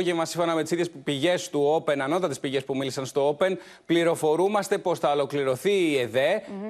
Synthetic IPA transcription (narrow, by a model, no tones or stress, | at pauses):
ʝevmɐsiɱfonɐmet̪isiðʝe̞spiʝe̞st̪uo̞pe̞nɐnot̪ɐt̪ispiʝe̞spumilisɐnst̪o̞ope̞n | pliɾo̞fo̞ɾumɐst̪e̞po̞sθɐolo̞kliɾo̞θiːeðe